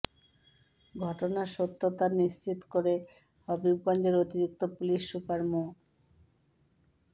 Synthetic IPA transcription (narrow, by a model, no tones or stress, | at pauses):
ɡʱɔʈonaʃot̪ʰːot̪aniʃt͡ɕit̪koɾe | hɔbibɡɔnd͡ʑeɾot̪iɾik̚t̪opuliʃːupaɾmu